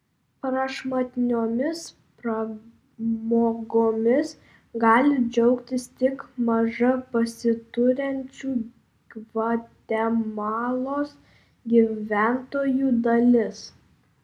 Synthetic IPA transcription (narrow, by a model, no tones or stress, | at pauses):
pɾɐʃmɐt̪ʲɪnʲoːmʲɪs | pɾɐ | moːɡoːmʲɪs | ɡɑːlʲɪd͡ʒʲɛʊkt̪ʲɪst̪ʲɪkmɐʒɐpɐsʲɪt̪ʊɾʲɛnʲt͡ʃʲuː | ʋɐt̪ʲɛmɑːlˠoːs | ɡʲiʋʲæˑnt̪oːjuːd̪ɐlʲɪs